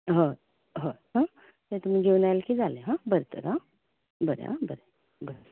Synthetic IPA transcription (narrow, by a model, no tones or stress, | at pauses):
ɦo | ɦoɦã | t̪et̪um̤iɡʱeunajlkiːd͡zaleɦãbəɾt̪ə̰ɾɦã | bəɾḛɦã̰bəɾe | bəɾ